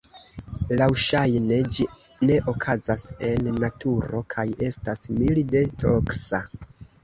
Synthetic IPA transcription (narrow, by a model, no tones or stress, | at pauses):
lawʃajne̞d͡ʒi | ne̞ʔo̞kʰazase̞nːatʰuɾo̞̰kʰaje̞stasmilde̞tɾoksa